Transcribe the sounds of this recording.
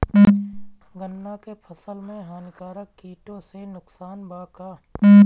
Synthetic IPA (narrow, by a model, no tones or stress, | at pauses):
ɡənːakepʰəsəlmẽɦaːnɪkaːɾəkːiːʈõsenʊksaːnbaːkaː